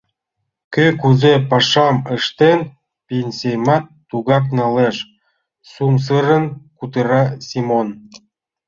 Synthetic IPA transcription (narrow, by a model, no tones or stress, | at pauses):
kekuzepɑʃɑməʃt̪en | pʲenʲsʲejmɑt̪ːuɣɑknɑleʃ | sums̬əɾə̆nkut̪əɾɑsʲimon